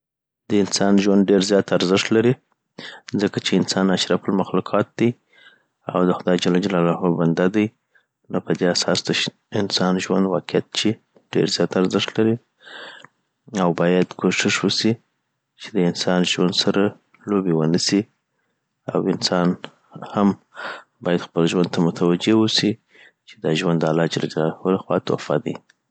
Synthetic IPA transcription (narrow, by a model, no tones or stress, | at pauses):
d̪̥əɪnsɑnʒwand̪̚ɖeɾzjɑt̪aɾzɪʂt̪laɾi | zəkat͡ʃeɪnsɑnaʃɾapəlmaxluqʰɑt̪̚d̪̥aj | a̰wd̪əxʊd̪ɑjd͡ʒalɑd͡ʒalɑlɑɦoband̪ad̪aj | nopəd̪easɑsd̪ə | ɪnsɑnʒwa̰nd̪wɑqɪat̪̚t͡ʃe | ɖ̥eɾzjɑt̪aɾzɪʂt̪laɾi | awbɑjad̪kʰoʃɪʂwəsi | t͡ʃed̪əɪnsɑnʒwand̪saɾa | lobewənasi | a̰wɪnsɑn | ham | bɑjad̪xpəlʒwand̪̚t̪amʊt̪ʰawad͡ʒewusi | t͡ʃe̥d̪ɑʒwand̪alɑd͡ʒala̰d͡ʒalalaholaxwɑ̰t̪o̰fɑ̰d̪aj